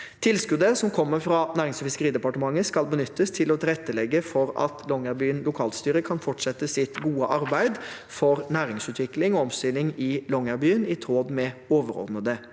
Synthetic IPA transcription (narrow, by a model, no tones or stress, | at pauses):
t̪ʰɪlskʉd̪əsɔmkʰɔmːəɾfɾɑnæːɾɪŋsɔfɪskəɾiːd̪ɛpɑʈəmɑŋːəskɑlbənʏt̪ːəst̪ʰɪlɔt̪ʰɪlɛt̪ːəlɛɡːəfɔɾɑ̰t̪ʰlɔŋæɾbyːənlʊkʰɑːlst̪yːɾəkʰɑnfɔʈʂɛt̪ːəsɪt̪ɡuːəʔɑɾbæɪd̪ | fɔɾnæːɾɪŋsʉːt̪ʰʋɪklɪŋɔɔmst̪ɪlɪŋɪlɔŋæɾbyːənɪt̪ʰɾoːd̪mɛoːʋəɾɔ̰ɾd̪nəd̪ə